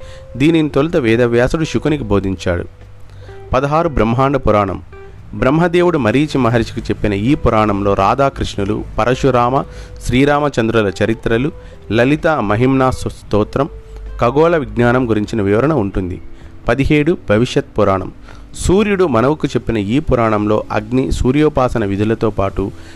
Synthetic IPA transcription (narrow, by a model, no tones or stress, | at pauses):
d̪iːninit̪olit̪ɐʋɛːd̪ɐʋjaːsɐɽuʃukɐnikibʱo̞ːd̪ʱiɲt͡ʃa̰ːɽṵ | pɐd̪ɐɦaːɾubɾɐmɦaːɳɖɐpuɾaːɳɐ̰m | bɾɐmɦɐd̪eːwuɽumɐɾiːt͡ʃimɐɦɐɾiʃi̥kit͡ʃe̞pːinɐiːpuɾaːɳɐmlo̞ːɾa̰ːd̪aːkɾiʂɳɐlṵpɐɾʔɐʃuɾaːmɐʃɾiːɾaːmɐt͡ʃɐnd̪ɾɐlɐt͡ʃɐɾit̪ɾɐlu | lɐlit̪amɐɦimnaːsɐst̪oːt̪ɾɐmkɐɡɔːlɐʋiɡnaːnɐmɡuɾiɲt͡ʃinɐʋiʋɐɾɐɳɐuɳʈund̪ḭpɐd̪iɦe̞ːɽubʱɐʋiʂjɐt̪̚puɾaːɳɐ̰m | suːɾjuɽumɐnɐʋukut͡ʃe̞pːinɐiːpuɾaːɳɐmlo̞̰ːʔɐ̰ɡnisuːɾjoːpaːsɐnɐʋid̪ʱilɐt̪o̞ːpaːʈu